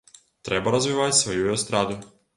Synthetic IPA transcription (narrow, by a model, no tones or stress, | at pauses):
t̪ɾebaɾazʋiʋat̪ʲsʋojujost̪ɾaːd̪u